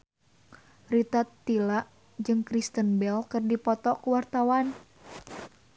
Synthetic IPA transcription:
rit̪at̪ːilaʔ | d͡ʒɨŋkɾist̪ənbɛlkɨrdipɔt̪ɔkuwart̪awan

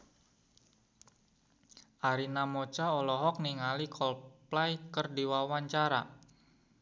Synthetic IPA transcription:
ʔaɾinamɔt͡ʃaɔlɔɦɔk̚niŋalikʰɔlplajkərdiwawaɲt͡ʃaɾa̰

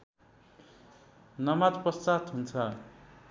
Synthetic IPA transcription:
nʌmat̪pʌst͡sat̪ɦunt͡sʰʌ

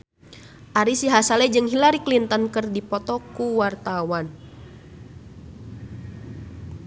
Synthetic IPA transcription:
ʔaɾisiɦasalɛd͡ʒɨŋɦilaɾiklint̪ɔnkɨrdipɔt̪ɔkuwart̪awan

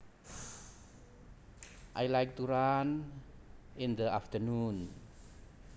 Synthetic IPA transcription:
ʔajlajk̚t̪uɹan | ɪ̃nd̪əaft̪ənũn

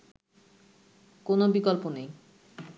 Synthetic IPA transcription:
konobikolponej

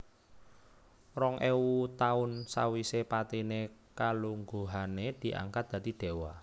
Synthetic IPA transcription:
rɔŋʔewut̪aʊnsa̰wisepat̪inekaluŋɡoɦaned̪̥i̤ʔa̰ŋkat̪̚d̪̥ä̤d̪̥i̤d̥e̤wa

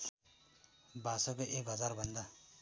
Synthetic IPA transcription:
basʌkoʔekɦʌd͡zarbʱʌnd̪a

